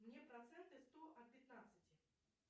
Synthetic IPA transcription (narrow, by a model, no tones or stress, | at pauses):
mnʲepɾɐt̪sɛnt̪ɨst̪oʔɐt̪̚pʲɪt̪nat̪sɨtʲɪ